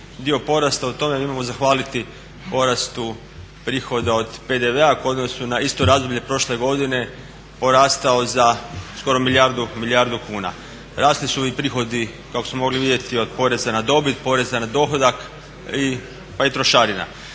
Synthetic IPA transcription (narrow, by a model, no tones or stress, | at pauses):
d̪io̞po̞ɾast̪aut̪o̞me̞imamo̞zaxʋaːlit̪i | po̞ɾast̪u | pɾiːxo̞d̪ao̞d̪pe̞d̪e̞ʋe̞akuo̞d̪no̞sunaist̪o̞ɾaːzd̪obʎe̞pɾo̞ʃle̞ɡo̞d̪ine̞ | po̞ɾaːst̪ao̞zasko̞ɾo̞milʲjaɾd̪umiljaɾd̪ukuːna̰ | ɾaːst̪lisuipɾiːxo̞d̪i | kako̞smomo̞ɡliʋid̪ʲje̞t̪io̞d̪̚po̞ɾe̞zanad̪o̞bit̪po̞ɾe̞zanad̪o̞xo̞d̪ak | i | pait̪ɾo̞ʃaɾina̰